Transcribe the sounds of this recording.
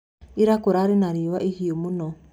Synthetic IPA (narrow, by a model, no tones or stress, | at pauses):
iɾakoɾaɾenaɾewaʔehiomonɔ